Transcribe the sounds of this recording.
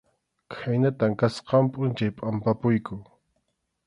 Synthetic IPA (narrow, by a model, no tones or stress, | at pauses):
kʰajnat̪aŋkasqɑmpʼʊnt͡ʃajpʼampapʊjkʊ